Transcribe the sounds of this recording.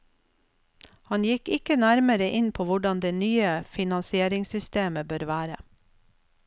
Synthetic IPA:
hɑnjɪkɪkənæɾməɾəʔɪnpʰoːʋʊɖɑnd̪eːnyːəfɪnɑnsɪeːɾɪŋsʏst̪eːməbøːɾʋæːɾə̰

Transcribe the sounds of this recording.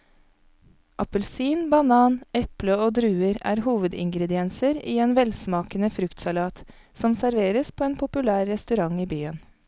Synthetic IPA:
ʔɑpəlsiːnbɑnɑːnɛpləoːd̪ɾʉːəɾæ̰ːɾhuːʋəd̪ɪ̰ŋɡɾɛd̪ɪɛnsəɾiːeːnʋɛlsmɑːkənəfɾʉkt̪sɑlɑːt̪ | sɔmsæɾʋeːɾəspʰoːeːnpʰʊpʉlæːɾɛst̪ʉɾɑŋiːbyːən

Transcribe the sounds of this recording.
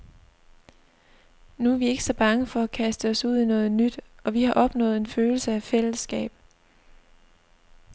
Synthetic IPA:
nuæʋie̝ɡ̥ə̥sɒ̽b̥ɑ̈ŋəfɒ̽ækʰæsd̥əɒ̽suð̞̰ˠinɔ̽ːð̞̩ˠnyd̥ɒ̽ʋihɑ̈ʔɒ̽b̥nɔ̰̽ːð̩ˠe̝nføːl̩səæfel̰əsɡ̥ɛ̰ːb̥

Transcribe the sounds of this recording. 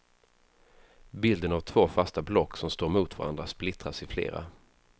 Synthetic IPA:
bɪld̪ənavt̪ʰv̥oːfast̪ablɔkːsɔmst̪oːɾmuːt̪vaɾa̰nd̪ɾasplɪt̪ɾasɪflḛːɾa̰

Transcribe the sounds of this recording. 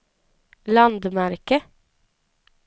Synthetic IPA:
lɑnd̪mæɾkə

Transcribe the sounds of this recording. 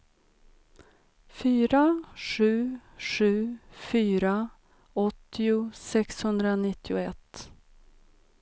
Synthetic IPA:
fyːɾaʂʉ̟ːʂʉ̟ːfyːɾa | ɔt̪ːɪʊsɛkshɵnd̪ɾanɪt̪ʰːɪʊɛt̪ː

